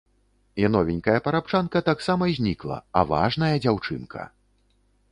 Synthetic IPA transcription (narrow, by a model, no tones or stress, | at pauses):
jʲanɔvʲinʲkɐjɐpɐɾap̚t͡ʂankɐt̪aksamɐzʲnʲiklˠɐ̰ɐ̰va̰ʐnɐjɐd͡zʲawt͡ʂɨ̰nkʰɐ̰